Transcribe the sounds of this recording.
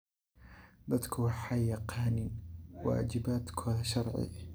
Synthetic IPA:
d̪at̪kʊħajaqɑːniwa̰ːd͡ʒɪbaːt̪kʰaʃɑɾˤʕḭ

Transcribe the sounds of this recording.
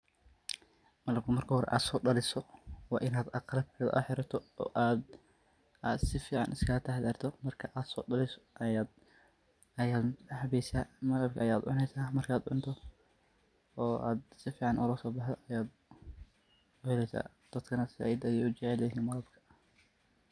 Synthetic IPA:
mɐlɐb̚kʰɐmɐrkʰɐhɔɾɛ̰ʔa̰ːd̪sɔːɖɐlɪsɔwɑːʔɪnaːd̪ɐqɑlɐbkʰɐðɐ̰ʔʊħɪɾɐt̪ʰɔɔ̰ːʔaːd̪ | aːd̪sɪfiːʕɑ̰nʔɪskʰɐlɐt̪ʰɐhd̪ɐrt̪ʰɔmɐrkʰɐʔaːd̪sɔ̰ːɖɐlɪsɔ̥ʔjaːd̪ | ɐjaːd̪hɐβɛːjsaːmɐlɐb̚kʰɐʔɐjaːd̪ʕʊnɛjsaːmɐrkʰaːd̪ʕʊnt̪ʰɔ | ɔːa̰ːd̪sɪfiːʕɑnʔʊlɐsɔːbɑħd̪ɔʔɐjaːd̪ | ʊhɛlɛsa̰ː | d̪̥ɐd̪̥kʰɐnɐsɪɛjɪd̪ɐjɛʊt͡ʃɛʕɛlɦiːnmɐlɐbkʰɐ̥

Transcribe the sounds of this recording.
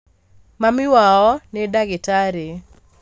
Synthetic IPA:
mamɪwaɔnedaɡɪtaɾe

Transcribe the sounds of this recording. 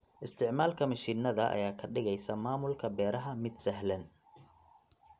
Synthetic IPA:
ʔɪst̪ʰɪʕmaːlkʰɐmɐʃiːnːɐðɐʔɐ̰jaːkʰɐɖɪɣɛjsɐmaːmʊlkʰɐbɛːɾɐɦɐmɪd̪sɐɦlɐn

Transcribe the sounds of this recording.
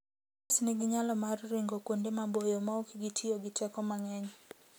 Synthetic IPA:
asniɡiɲalɔmarɾiŋɡɔkundɛmabɔjɔmaukiɡitʰiɔɡitʰɛkɔmaŋɛɲɔ

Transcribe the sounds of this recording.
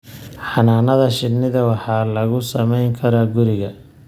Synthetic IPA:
ħɑnaːnɐðɐʃɪnːɪðɐwɑħɑːlɐɣʊsɐmɛjŋkʰɐɾɐɡʊɾɪɣɐ

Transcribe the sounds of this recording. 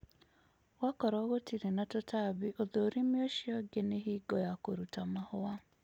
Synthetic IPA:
wakɔɾɔɣotiɾenatotaβiʔoðoːɾimjoʃiɔɡeneɦiːɡɔjakoɾutamahowa

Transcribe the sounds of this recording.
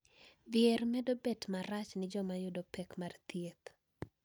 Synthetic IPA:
bjɛrmɛdobɛtmaɾat͡ʃnɪd͡ʒɔmajʊdopɛkmart̪jek

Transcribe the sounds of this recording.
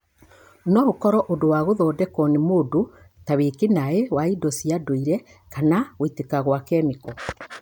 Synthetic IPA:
nɔɣokɔɾɔʔodowaɣoðɔːdɛkɔnemodo | tawekenaewaidɔsiadoiɾɛ | kanaɣwetekaɣwakɛːmekɔ

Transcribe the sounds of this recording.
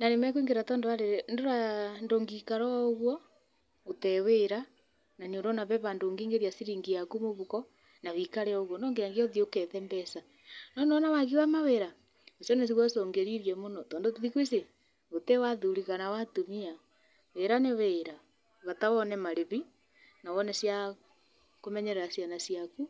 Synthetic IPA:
nanemɛk̬wiːŋɡeɾatɔːndoaɾeɾndoɾandoːŋɡikaɾɔːɣwɔ | otɛweɾa | naɲoɾonaβɛβandoːŋɡeːŋɡeɾiasiɾiːŋɡiakumoβukɔ | naβikaɾɛɔoɣɔnɔŋɡejaŋɡiɔðiokɛðɛmbɛsa | nɔnɔnawaɣiwamaweɾa | osjɔnɛs̬iɣwasɔːŋɡeɾiɾjɛmonɔtɔːndotiðikwise | otewaðuɾiɣanawatumia | weɾaneweɾa | βatawɔnɛmaɾeβi | nawɔnɛsja | komɛɲɛɾɛɾasjanasjaku

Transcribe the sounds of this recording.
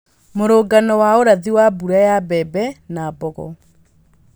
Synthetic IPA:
moɾoːɡanɔwaoɾaðiwabuɾajabɛbɛnaːbɔɣɔ̰

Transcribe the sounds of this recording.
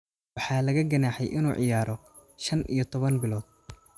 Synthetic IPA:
wɑħɑːlɐɣɐɡɐnaːħɛjʔɪnuːʕɪ̰jaːɾɔ | ʃɐnʔḭjɞt̪ʰɔβɐnbɪlɔːd̪̥̚

